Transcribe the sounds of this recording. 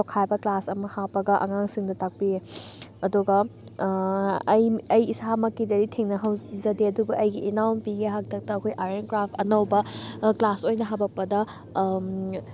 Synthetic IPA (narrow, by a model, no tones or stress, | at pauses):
okʰajbɐklasɐmɐhapɐɡɐʔɐ̰ŋaŋsiŋdɐtak̚pieɐduɡɐ | ɐjɐjisamɐkːidɐɾitʰeŋnɐɦɐwzɐdeɐdubɐʔɐjɡiʔinawnpiɡeɦak̚tʰɐk̚tɐːkʰojʔaɾenkɾapʰɐnɐwbɐklasojnɐɦabɐk̚pɐdɐ